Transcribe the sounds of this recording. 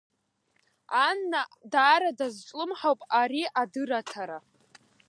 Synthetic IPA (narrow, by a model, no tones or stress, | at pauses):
anːadaːɾadazʈ͡ʂʷʼlɨmħawpʼaɾiadɨɾatʰaɾa